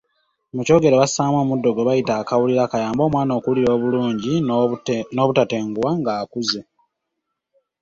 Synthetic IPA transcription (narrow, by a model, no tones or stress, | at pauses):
muco̞ːɡe̞ɾeβasaːmo̞ːmudːo̞ɡo̞βajitaːkawuliɾakajaːmbo̞ːmwaːno̞ːkuliɾo̞ːβuluːɲɟi | no̞ːβutate̞ːŋɡuwaŋɡaːkuze